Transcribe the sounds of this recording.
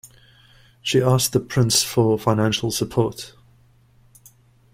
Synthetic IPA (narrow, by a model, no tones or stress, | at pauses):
ʃiɑˑsðəpʰɹ̥ɪ̃nsfəfãɪ̃nãnʃəlˠsəpʰɔˑt